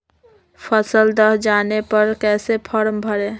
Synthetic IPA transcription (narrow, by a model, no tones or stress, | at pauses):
pʰəsəld̪əɦd͡ʒaːnepəɾkɛːsepʰəɾmbʱəɾe